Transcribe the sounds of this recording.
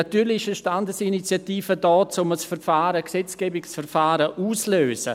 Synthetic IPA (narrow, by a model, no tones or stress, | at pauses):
atyːɾlɪɪʃəʃtandəsinit͡sjatiːfədɔːt͡sʊməsfɛɾfaːɾəksɛt͡sɡ̥ɛːbɪksfɛrfaːɾəʔuːsløːsə̰